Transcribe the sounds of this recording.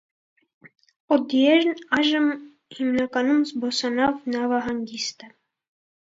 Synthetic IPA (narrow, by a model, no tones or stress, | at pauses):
ɔd̪ijɛɾnɑjʒəm | himnɑkɑnumzbɔsɑnɑvnɑvɑɦɑŋɡist̪ə